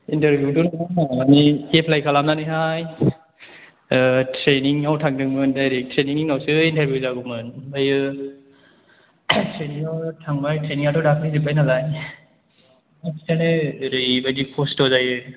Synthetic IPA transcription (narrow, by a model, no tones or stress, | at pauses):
intaɾbjudunaaniepʰlajkʰalamnanɯɦaj | tʰɾeniŋawtʰaŋdɯŋmɯndajɾek̚tʰɾeniŋiŋnawsɯintʰaɾbjuzaɡumɯnbajɯ | tʰɾeniŋawtʰaŋbajtʰɾeniŋatɔdakʰnizibajnalaj | asitʰanɯɾɯjbadipʰostɔzajɯ